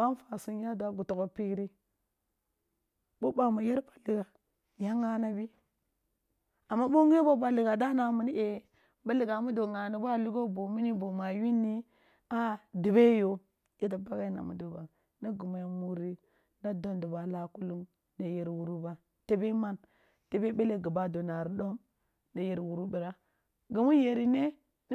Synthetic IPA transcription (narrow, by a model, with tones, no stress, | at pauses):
wa˦n˦fa˨su˦nja˦da˦ɡu˨to˨ɡo˦pi˦ɾi˦ | bo˦ba˨mu˨je˦ɾba˨li˨ɡa˨ | ja˦ŋa˦na˦bi˦ | a˨mːa˦bo˦ŋ˦e˦ba˦ba˨li˨ɡa˨da˦na˨mu˨ni˦ʔe˨ | ba˦li˨ɡa˨mu˦do˨ŋa˨ni˨ba˦˨lu˦ɡo˦bo˨mi˦ni˦bo˨ma˨ji˦nːi˦ | a˦di˨be˦jo˨ | je˦t̬a˨ba˦ɡa˦i˦na̰˨mṵ˨do˨ba˨ | na˦ɡu˨ma˨jmu˦ɾi˦ | na˦do˦ndu˨ba˨la˨ku˦lu˦ŋ | na˨je˨ɾwu˨ɾu˦ba˨ | te˦be˦ma˦n | te˦be˦be˦le˦ɡu˨ba˦do˨na˨ɾi˨ɗo˦m | na˨je˨ɾi˨wu˨ɾu˦bi˨ɾa˦ | ɡu˨mu˦je˨ɾi˦ne˦ | n˦